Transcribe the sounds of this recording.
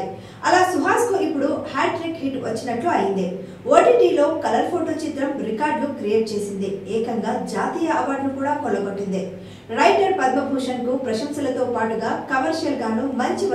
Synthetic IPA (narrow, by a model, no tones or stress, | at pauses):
i | ɐlaːsuɦaːskoːlipuɽuhaːʈɾikɦiʈʋɐt͡ʃːinɐʈluɐjind̪i | oːʈiʈiːlo̞ːkɐlɐɾpʰuːʈoːlt͡ʃit̪ɾɐmɾikaːɾɖlukɾije̞ːʈ̚t͡ʃe̞ːsind̪iɛːkɐŋɡaːd͡ʒaːt̪iːjɐɐʋaːɖlukuːɽaːkɔɭːɐɡoʈːind̪i | ɾɐjʈɐɾpɐd̪mɐbʱuːʂɐnkupɾɐʃɐmsɐlɐt̪oːpaːʈuɡaːkɐmɐɾʃɐlɡaːnumɐɲt͡ʃi